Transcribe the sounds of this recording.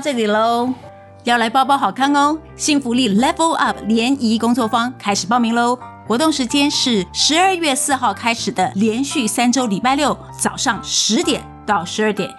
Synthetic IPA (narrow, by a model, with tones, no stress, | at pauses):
ʈ͡ʂə˥˩li˨˩lo˧˥ʊ | jɑ˥˩ʊla˧˥ɪpɑ˥˧ʊp̬ɑ˥˧ʊxɑ˨˩ʊkʰa˥ŋʊ˥ŋ | ɕi˥˩ŋfu˧˥li˥˩lɛ˥pə˥lʔɐ˥˩pʰljɛ˧˥ni˧˥kʊ˥ŋt͡swɔ˥˩fɑ˥ŋkʰa˥ɪʂɻ̩˨˩pɑ˥˩ʊmi˧˥ŋlo˧˥ʊxwɔ˧˥t̪ʊ˥˩ŋʂɻ̩˧˥t͡ɕjɛ˥nʂɻ̩˥˩ʂɻ̩˧˥ə˞˥˧ɥɛ˥˧sɹ̩˥˧xɑ˥˩ʊkʰa˥ɪʂɻ̩˨˩d̪ə˦ljɛ˧˥nɕy˥˩sa˥nʈ͡ʂo˥ʊli˨˩pa˥˧ɪljo˥˩ʊ | t͡sɑ˨˩ʊʂɑ˥˩ŋʂɻ̩˧˥t̪jɛ˨˩˦nt̪ɑ˥˩ʊʂɻ̩˧˥ə˞˥˩t̪jɛ˨˩n